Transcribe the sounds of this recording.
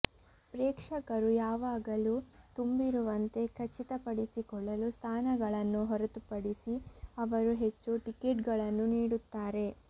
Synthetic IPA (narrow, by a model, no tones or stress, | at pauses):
pɾeːkʂɐkɐɾujaːʋaːɡɐlut̪umbiɾuʋɐnt̪e̞kʰɐt͡ʃːit̪ɐpɐɽisikɔɭːɐlust̪ʰaːnɐɡɐɭɐnːuɦɔɾɐt̪upɐɽisiɐʋɐɾuɦe̞t͡ʃːuʈikeːʈɡɐɭɐnːuniːɽut̪ːaːɾe̞